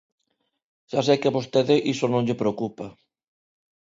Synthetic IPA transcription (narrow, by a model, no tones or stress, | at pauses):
ʃas̬ekɪaβost̪eðɪʔisonõŋʎɪpɾeokupa